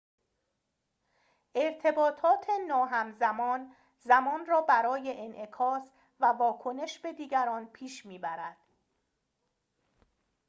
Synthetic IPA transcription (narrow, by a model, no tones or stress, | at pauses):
ʔe̞ɾt̪ʰe̞bɒːt̪ʰɒːt̪ʰe̞nɒːɦæmzæmɒːn | zæmɒːnrɒːbæɾɒːje̞ʔenʔekʰɒːs | vævɒːkʰo̞ne̞ʃbe̞d̪iːɟæɾɒːnpʰiːʃmiːbæɾæd̪̥